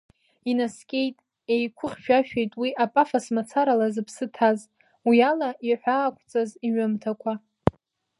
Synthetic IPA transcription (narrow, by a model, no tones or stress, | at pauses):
inaskʲʼe̞jtʼ | e̞jkʷʰʊχʲʃᶣaʃᶣejtʼwiʔapʼafasmat͡sʰaɾalazɨpʰsɨtʰaz | wialaʔiħʷᶣaːkʷʰʼt͡sʼaziɥamtʰakʷʰa